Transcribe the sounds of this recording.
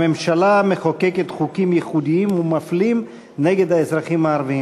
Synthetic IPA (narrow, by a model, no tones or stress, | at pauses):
memʃalameχokeket̪χukimjeχud̪iimumaflim | neɡe̞d̪haezʁaχimaːɾvii